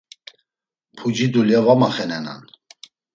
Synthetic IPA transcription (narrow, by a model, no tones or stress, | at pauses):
pʰud͡ʒid̪uljɛvamaχɛnɛna̰n